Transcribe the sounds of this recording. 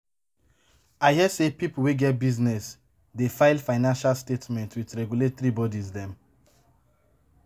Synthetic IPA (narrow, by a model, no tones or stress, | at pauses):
aɪhiɛsepipuweɡɛt̚biznɛs | defaɪlfaɪnãnʃalstetmɛ̃ntʰwitɹɛɡjuletθɹibɔdizdɛ̃m